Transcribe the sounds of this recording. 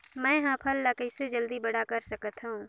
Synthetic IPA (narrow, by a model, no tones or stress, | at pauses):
mɛ̃ːɦãːpʰəlːakəɪsed͡ʒəld̪ibɐɽakəɾsəkət̪ɦaũ